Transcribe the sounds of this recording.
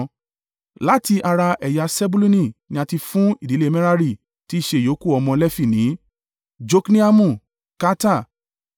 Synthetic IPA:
la˦ti˧ʔa˧ɾa˧ʔɛ˨ja˨˧sɛ˦bu˦lu˦nĩ˦˨nĩ˨˦a˧ti˧fũ˦i˦˨di˨˦le˦˧˦mɛ̃˦ɾa˦ɾi˦˨ | ti˨˦i˦˨ʃe˧˨jo˨˦ku˦˨ɔ˧mɔ̃˧lɛ˦fi˦˨nĩ˨˦ | d͡ʒo˦knĩ˦a˦mũ˦˨ | ka˦ta˦˨

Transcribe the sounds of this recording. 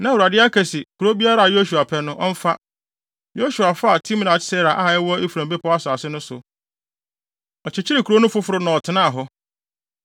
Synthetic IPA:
nã˦˨wu˨ɾa˨dɪ˦a˦kʰɛ˨sɪ˨kʰu˨o˦bi˦a˦ɾa˦˨a˨jo˦su˨a˨pʰɛ˦nʊ̃˦ʔɔ˦m̩˦fa˦ | jo˦su˨a˨fa˦a˨tʰĩ˦mnã˨t͡ɕʰɪ̥˦sɛ˦ɾa˨ʔa˦˨ɛ˦wɔ˦i˦fu˨ɾã˨mbe˦pʰɔ˦a˦sʊ˨a˨sɪ˦nʊ̃˦sʊ̰˨ | ɔ˨t͡ɕʰɪ˨t͡ɕʰɪ˦ɾɪ˨kʰu˨ɾo˦nʊ̃˦fʊ˦fʊ˦ɾʊ˦nã˨ɔ˨tʰɪ˨nãː˦a˨ɦɔ˦

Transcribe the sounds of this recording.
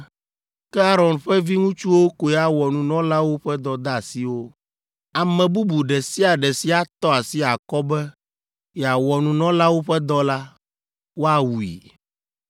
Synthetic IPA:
kɛ˦a˦ɾɔ˨nɸɛ˦vi˦ŋũ˦t͡ʃu˦wo˦ko˨jɛ˨a˨wɔ˨nũ˨nɔ̃˦la˦wo˦ɸɛ˦d̪ɔ˦d̪a˦˨si˦wo˦ | a˨mɛ̃˨bu˦bu˨ɖɛ˨si˦a˨ɖɛ˨si˦a˨t̪ɔ˦a˨si˦a˨kɔ˦bɛ˦ | jɛ˨a˨wɔ˨nũ˨nɔ̃˦la˦wo˦ɸɛ˦d̪ɔ˦la˦ | wo˦a˦wu˨ḭ˨

